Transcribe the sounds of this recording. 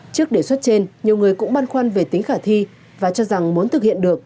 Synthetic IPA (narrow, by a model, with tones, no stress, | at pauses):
t͡ɕɨ˦˥ək̚ɗe˧˩swə˦˥t̚t͡ɕe˧nɲi˨˩əwŋɨ˨˩əjkʊ̰˧˥ŋ͡mɓaː˧nxwaː˧nve˨˩t̪ï˨˦ŋ̟xaː˧˩t̪ʰi˧ | vaː˨˩t͡ɕɔ˧za˨˩ŋmu˨˦ənt̪ʰɨ˨˩k̚hḭ˧˨ənɗɨ˨˩ək̚